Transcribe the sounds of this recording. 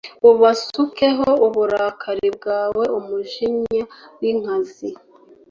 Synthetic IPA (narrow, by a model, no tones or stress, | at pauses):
uβasuke̞ɦouβuɾakʰaɾib̚ɡaːwe̞ʔumuʒiɲawiŋ̥azi